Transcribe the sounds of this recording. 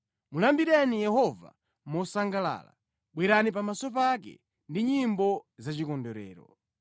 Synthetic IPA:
mulambiɾɛnijɛhɔva̰ | mɔsaŋɡala̰ːla̰ | ɓwɛɾanip̬amasɔp̬ak̬ɛ̰ | ndiɲimbɔzat͡ʃikɔndɔɾɛ̰ːɾɔ

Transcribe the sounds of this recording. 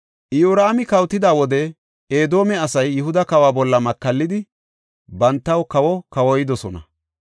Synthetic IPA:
ʔɪjuːɾaːmɪkɐwt̪ːɪd̪aːwɔd̪ɛ | eːd̪o̞ːmɛɐsɐjːɪhʊd̪ɐkɐwaːbɔlːɐmɐkːɐlːɪd̪ɪ | bɐnt̪ːɐwkɐwɔkɐwɔjɪd̪ɔsɔnɐ̰

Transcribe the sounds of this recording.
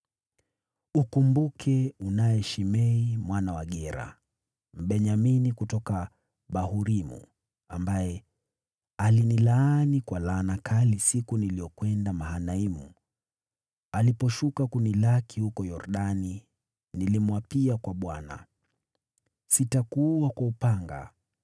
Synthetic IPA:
ukumbukʰɛunajɛʃimɛimwanawaɠɛɾa̰ | m̩ɓɛɲaminikutɔka | ɓahuɾimṵ | ambajɛ | alinilaːnikwalaːnakʰalisikunilijɔkwɛndamaɦanaimu | alipɔʃukakunilakihukɔjɔɾɗani | nilimwapiakwaɓwana̰ | sitakuwakwaupaŋɡa̰

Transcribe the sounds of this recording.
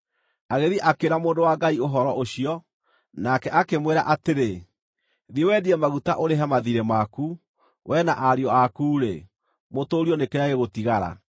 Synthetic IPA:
aɣeðiʔakeɾamoːndowaɡaioɦɔɾɔʔoɕiɔ | nakɛʔakemweɾaʔateɾe | ðiewɛdiɛmaɣutaʔoɾeɦamaðiɾemaku | wʔɛnaʔaɾjɔakuːɾḛ | motoːɾjɔnekeaɣeɣotiɣaɾa̰

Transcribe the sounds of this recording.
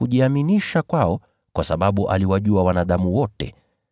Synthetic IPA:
uʄiaminiʃakwaɔ | kwasaɓaɓuʔa̰liwaʄuawanaɗamuwɔtɛ̰

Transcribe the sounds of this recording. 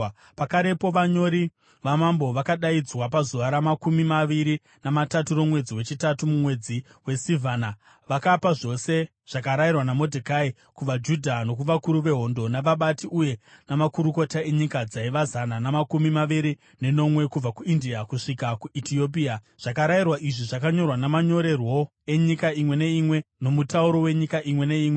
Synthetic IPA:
pakaɾe̞po̞ʋaɲo̞ɾi | ʋamambo̞ʋakaɗaid͡zwapazuʋaɾamakumimaʋiɾi | namataturo̞mwe̞d͡ziwe̞t͡ʃitatumumwe̞d͡zi | we̞sivana | ʋakapaʐo̞se̞ | ʐ̥ak̬aɾajirwanamo̞dʱekai | kuʋad͡ʒudʱano̞k̬uʋakuɾuʋe̞ɦo̞ndo̞naʋaɓatiʔuje̞namakuɾuko̞tae̞ɲikad͡zaiʋazananamakumimaʋiɾi | ne̞no̞mwe̞kub͡vakuindiakuʂikakuitiop̬ia | ʐ̥akaɾairwaʔiʐiʐakaɲo̞rwanamaɲo̞ɾe̞rwo̞ | e̞ɲikaimwe̞ne̞imwe̞no̞mutauɾo̞we̞ɲikaʔimwe̞ne̞iːmwe̞

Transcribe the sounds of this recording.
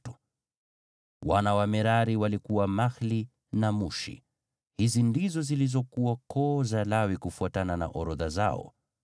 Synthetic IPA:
u̥ | wanawamɛɾaɾiwalikuwamaxli | namuʃḭ | hizindizɔzilizɔkuwakɔzalawikufuatanana̰ʔɔɾɔðaza̰ɔ̰

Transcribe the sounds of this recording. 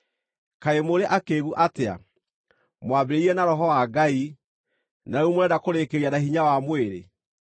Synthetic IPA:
kaemoɾeʔakeɣuʔatea̰ | mwabeɾeiɛnaɾɔɦɔwaɡai | naumoɾɛdakoɾekeɾianahiɲawamweɾḛ

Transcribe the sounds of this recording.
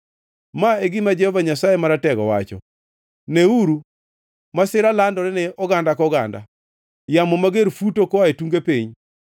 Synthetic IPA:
maeɡɪmad͡ʒɛhɔvaɲasajemaɾatɛɡɔ̰wa̰t͡ʃɔ̰ | neuɾu | masɪɾalandɔɾɛnɛɔɡandakɔɡanda̰ | jamɔmaɡeɾfutokɔaetuŋɡepiɲ

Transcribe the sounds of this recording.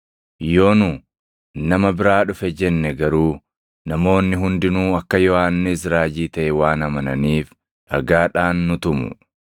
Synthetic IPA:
jo̞ːnʊ | nɐmɐbɪɾaːᶑʊfɛd͡ʒɛnːɛɡɐɾuː | nɐmo̞ːnːɪɦʊnd̪ɪnuːɐkːɐjɔaːnːɪs̬ɾaːd͡ʒiːt̪ɐʔɛwaːnɐmɐnɐ̰niːf | ɾɐɡaːᶑaːnːʊt̪ʊmʊ̰

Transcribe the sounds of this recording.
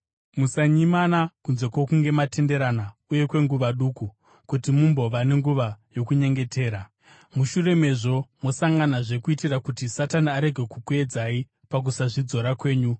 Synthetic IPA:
musaɲimanakunze̞kwokuŋɡe̞mate̞nde̞ɾanauje̞kwe̞ŋɡuʋaɗuːku | kutimumbo̞ʋane̞ŋɡuʋajo̞kuɲe̞ŋɡe̞tʰe̞ːɾa | muʃure̞me̞ʐo̞mo̞saŋɡanaʐe̞kuitirakutisataniaɾe̞ɡʱe̞kukue̞d͡zai | pak̬usaʐid͡zo̞ɾakwe̞ːɲu

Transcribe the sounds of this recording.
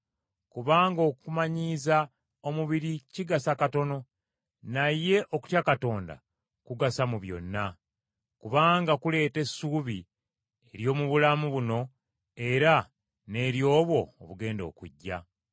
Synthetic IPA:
kuβaːŋɡo̞ːkumaɲiːza | o̞muβiɾiciɡasakato̞no̞ | najːe̞ʔoku̥tjakato̞ːnda̰ | kuɡasamuβjo̞̰nːa | kuβaːŋɡakule̞ːte̞suːβi | eɾjo̞ːmuβulamuβuno̞ | e̞ɾa | ne̞ːɾjo̞ːβwo̞ːβuɡe̞ːndo̞̰kṵɟːa̰

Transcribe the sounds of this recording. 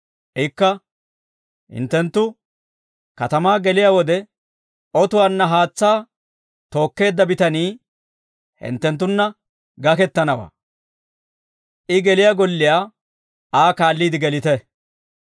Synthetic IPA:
ʔɪkːɐ | hɪ̰nt̪ːɛnt̪ːʊ | kɐt̪ɐmaːɡɛlɪjaːwɔd̪ɛ | ɔt̪ʊwaːnːɐɦaːt͡sːaː | t̪o̞ːkːe̞ːd̪ːɐbɪt̪ɐniː | hɪ̰nt̪ːɛnt̪̬ːʊnːɐ | ɡɐkɛt̪ːɐnɐwa̰ː | ʔɪɡɛlɪjaːɡɔlːɪjaː | aːkaːlːiːd̪ɪɡɛlɪt̪ɛ

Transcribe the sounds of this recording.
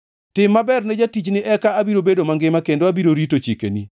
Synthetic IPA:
tɪmːabɛrnɛd͡ʒatit͡ʃnɪʔɛkaabiɾobedomaŋɡɪmakendoabiɾoɾitot͡ʃikḛnḭ

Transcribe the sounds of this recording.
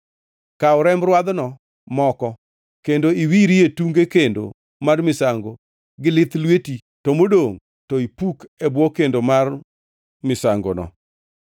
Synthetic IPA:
kaʊɾɛmɾwad̪nɔ | mɔkɔ | kendoiwiɾietuŋɡekendo̰ | marmɪsaŋɡo | ɡɪlɪt̪lweti | tɔmodoŋ | tɔipukɛbwɔkendomar | mɪsaŋɡo̰nɔ̰

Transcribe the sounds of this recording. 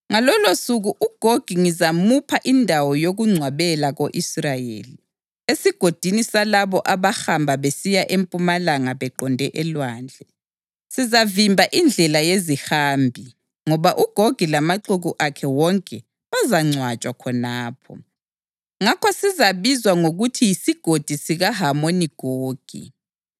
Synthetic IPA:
ŋalɔlosuɣuʔuɡ̥ʱoɡ̥ʱiŋizamupʰaʔindʱawɔjoɣuŋ͡ǀʱwaβɛlaɣoʔisrajḛːli | esiɡ̥ʱod̥ʱinisalaβɔʔaβaxambʱaβesijaʔempʼumalaŋaβɛǃɔndʱɛʔɛlwaːnd͡ɮʱɛ | sizavimbʱaʔind͡ɮʱɛlajezihaːmbʱi | ŋɔβaʔuɡ̥ʱoɡ̥ʱilamaǃuɣuʔakʰɛwɔŋkʼɛ | azaŋ͡ǀʱwat͡ʃʼwakʰɔnaːpʰɔ̰ | ŋakʰɔsizaβizwaŋoɣutʰijisiɡ̥ʱod̥ʱisiɣaɦamoniɡ̥ʱoːɡ̥ʱḭ

